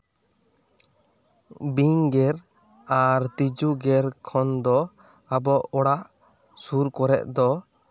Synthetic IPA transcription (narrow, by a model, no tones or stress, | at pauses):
biŋɡɛɾ | aɾt̪id͡ʒuɡɛɾkʰɔnd̪ɔ | abɔʔɔɽaʔ | suɾkɔɾɛ̰ʔ̚d̪ɔ